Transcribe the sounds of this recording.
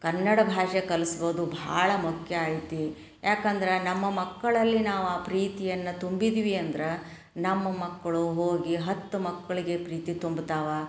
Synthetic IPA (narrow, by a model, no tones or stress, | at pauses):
kɐnːɐɽɐbʱaːʂekɐlisboːd̪ubʱa̰ːɭɐmukʰjɐaːjit̪i | jʔaːkɐnd̪ɐɾenɐmːɐmɐkːɐɭɐlːinaːʋuaːpɾiːt̪ijɐnːɐt̪umbid̪ʋiɐnd̪ɐɾe | nɐmːɐmɐkːɐɭuɦoːɡiɦɐt̪ːumɐkːɐɭiɡe̞pɾiːt̪it̪umbt̪aːʋɐ